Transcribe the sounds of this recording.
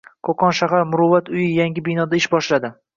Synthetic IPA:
kʰoqʰɒnʃaɦaɾmʊɾʊvːat̪ʊjɪjaŋɡʲɪbɪjnɒd̪aɪʃbɒʃlad̪ɪ

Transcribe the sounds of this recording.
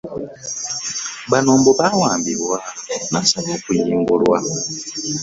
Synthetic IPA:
βanoːmboβawaːmbiβwanasaβoːkujiːŋɡulwa̰

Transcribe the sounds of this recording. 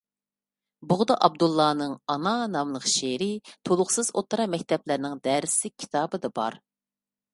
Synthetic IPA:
bʊʁd̪ɑʔɑb̚d̪ulˠːɑːnɨŋɑnɑnɑmlˠəqʃeɾɪt̪ʰolˠʊχsɨzot̪ːɾɑmɛkʲt̪ʰɛplɪɾnɪŋd̪æɾsɪkʲʰːi̥t̪ʰɑːbɨd̪ɑbɑ̰ɾ

